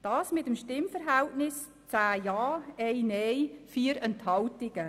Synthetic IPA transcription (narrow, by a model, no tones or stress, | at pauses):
d̥ɑːsmɪtəmʃtɪmfəɾɦɛltnɪs | t͡sæːjɑːɛjnɛjfiːəɾɛnthɑltɪɡ̥ə